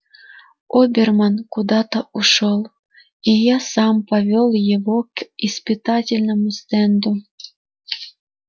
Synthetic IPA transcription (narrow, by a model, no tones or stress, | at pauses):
obʲermɑnkud̪ɑt̪ouʃɤlˠ | ijɑsɑmpovʲolˠjeβokispɨt̪ɑtʲelʲnomust̪end̪u